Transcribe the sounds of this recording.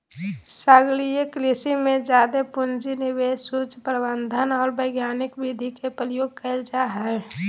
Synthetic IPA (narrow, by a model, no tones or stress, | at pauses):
saɡlijeklisimẽd͡ʒjaːd̪epʊnd͡ʒinɪbeːsut͡ʃpɾəbə̃nd̪ʱənɔːɾbəɪɡjaːnɪkbid̪ʱikepəɾjoːɡ̚kəld͡ʒaɦɛ